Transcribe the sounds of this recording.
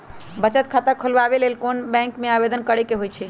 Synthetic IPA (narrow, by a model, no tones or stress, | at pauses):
bət͡ʃət̪̚kʰat̪əkʰolʋabelelkonbɛ̃ŋkmeabed̪ənkəɾɛkeɦojt͡ʃʰɛ